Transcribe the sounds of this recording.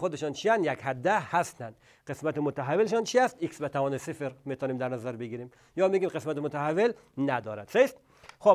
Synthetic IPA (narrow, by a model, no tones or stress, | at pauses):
xod̪eʃɔnt͡ʃʰiænd̪jækhæd̪ːæhæst̪ænd̪ | qesmæt̪ɪmot̪aɦavelʃɔnt͡ʃʰiæst̪iksbet̪ʰavɒːnesifɾmet̪ʰɔːnimd̪æɾnæzæɾbeɡiɾim | jɒːmeɡʲimqesmæt̪ɪmot̪ʰaɦavel | næd̪ɒːɾæ̰d̪̥sest̪ | xo